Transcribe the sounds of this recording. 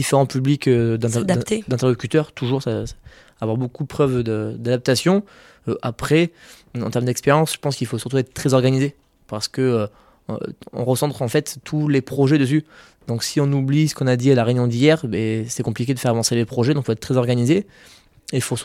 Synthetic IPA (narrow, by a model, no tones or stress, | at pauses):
d̪ifeʁɑ̃pyblikød̪ɛ̃d̪d̪ɛ̃t̪ɛʁlɔkʲyt̪œʁt̪ʰuʒuʁsa | avwaʁbokud̪əpχœvd̪əd̪ad̪ap̚t̪asjɔ̃ | øʔapχɛ | ɑ̃t̪ɛʁməd̪ɛkspeʁjɑ̃sʒ̥ə̥pɑ̃skilfosyʁt̪uɛt̪χət̪χɛzɔʁɡanize | paʁsə̥kəø̰ | ɔ̰̃ʁəsɑ̃t̪χɑ̃fɛt̪ːʰulepχɔʒɛd̪əs̬y | d̪̥ɔ̃ksiɔ̃nublisə̥kɔ̃nad̪ialaʁeynjɔ̃d̪ijɛʁbɛsɛkɔ̃plikʲed̪əfɛʁavɑ̃selepχɔʒɛd̪ɔ̃kifoɛt̪t̪ːχɛzɔʁɡanize | eifo